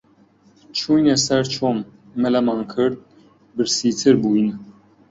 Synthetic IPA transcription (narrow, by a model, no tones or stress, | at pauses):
t͡ʃʰujnɛsɛɾt͡ʃʰɔmː | ɛlamɑŋkʰəɾt̪̚ | bəɾsit͡sʰəɾbujn